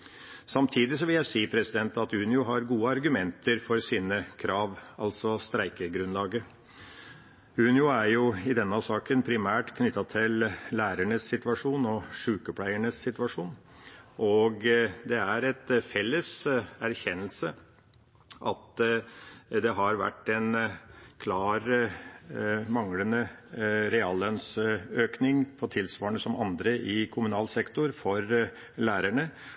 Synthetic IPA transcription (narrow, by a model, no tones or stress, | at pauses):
sɑmt̪ʰiːd̪ɪsɔʋɪljæɪsiːpʰɾɛsɪd̪ɛnt̪ɑt̪ʉːnɪʊɦɑɾɡuːəɑɾɡʉmɛnt̪ʰəɾfɔɾsiːnəkʰɾɑːʋɑlsɔst̪ɾæɪkəɡɾʉnlɑːɡəɾ | ʉːnɪʊæɾjʊɪd̪ɛnːɑsɑːkənpʰɾɪmæːʈkʰnʏt̪ːɑt̪ʰɪllæːɾəɳəsːɪt̪ʋɑʂuːnɔʂʉːkəpʰlæɪəɳəsːɪt̪ʋɑʂuːn | ʔɔɡd̪ɛæɾɛt̪fɛlːəsæɾçɛnəlsə | ʔɑt̪ | d̪ɛɦɑɾʋæ̰ʈːɛnkʰlɑːɾ | mɑŋlənəɾɛɑːlːœnsøːknɪŋpʰɔt̪ʰɪlsʋɑːɳəsɔmɑnd̪ɾəʔɪkʰʊmʉnɑːlsɛkt̪ʊɾfɔɾ | læːɾæɳə